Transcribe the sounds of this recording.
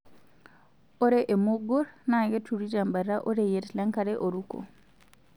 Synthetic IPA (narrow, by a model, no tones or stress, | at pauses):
ɔɾɛʔɛmoɡɔɾnaɡɛtuɾiɾambaɾaʔɔɾɛjeɾlaŋkaɾɛʔoɾuko̰